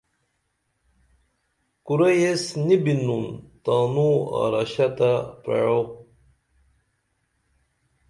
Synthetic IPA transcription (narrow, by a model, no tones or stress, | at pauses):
kuɾɐjesnibinunt̪aːnua̰ɾaɕat̪apɾḛɻo